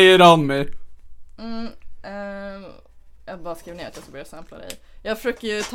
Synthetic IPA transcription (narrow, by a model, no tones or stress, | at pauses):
jəɾhanmɛj | m̩ɛ | jɑːbɑːɾaskɾiːvneːɾat̪jɑːskabœɾjasæmpla̰d̪ɛ̰ɪjjɑːɡfœʃøːkəɾjɵt̪ʰ